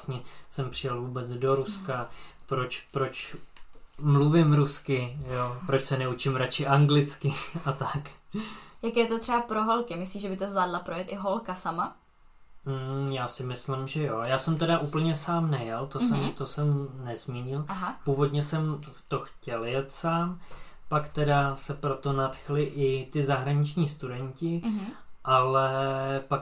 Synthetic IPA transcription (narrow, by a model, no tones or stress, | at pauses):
sɲɛsɛmpr̝̥ɪjɛlvuːbɛt͡sdo̞ɾuskapɾo̞t͡ʃpɾo̞t͡ʃ | mluvɪmɾuskɪjopɾo̞t͡ʃsɛnɛut͡ʃɪmɾat͡ʃɪʔaŋɡlɪt͡skɪat̪ak | jakɛːjɛt̪ot̪r̥ɛbapɾoɦolkɪmɪsliːʒɛbɪt̪ozlaːdlapɾojɛt̪ʔɪɦolkasama | jaːsɪmɪslɪmʒɛjojaːsɛmt̪ɛdaʔuːpl̩ɲɛsaːmnɛjɛlt̪osɛmt̪o̞sɛmnɛzmiːɲɪlʔaɦapuːvo̞dɲɛsɛm | t̪oxcɛljɛt̪saːm | pakt̪ɛdasɛpɾo̞t̪o̞nat̪xlɪʔɪt̪ɪzaɦɾaɲɪt͡ʃɲiːst̪udɛɲcɪʔalɛpak